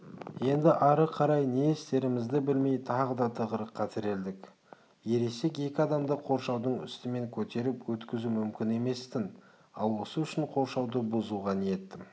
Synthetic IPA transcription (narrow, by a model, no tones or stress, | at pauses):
je̞nd̪ɪʔɑɾəqʰɑɾɑjnest̪e̞ɾɪmɪzd̪ɪbɪlme̞jt̪ʰɑʁəd̪ɑt̪ʰəʁəɾəqʰːɑt̪ʰɪɾe̞ld̪ɪk | je̞ɾe̞sekʲe̞kʲɪɑd̪ɑmd̪əqʰo̞ɾʃɑwd̪əɴʏ̰st̪ɪme̞ŋkʲʰɵt̪e̞ɾɪpwɵt̪kʲɪzumʏmkʲɪne̞me̞st̪ɪn | ɑ̰lˠwo̞səʏʃɪɴqʰo̞ɾʃɑwd̪əbʊzuʁɑnije̞t̪ːɪ